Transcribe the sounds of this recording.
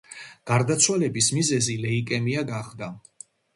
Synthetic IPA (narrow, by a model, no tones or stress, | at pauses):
ɡ̥aɾd̪at̪sʰwalɛbismizɛzilɛikʼɛmiaɡaχd̪a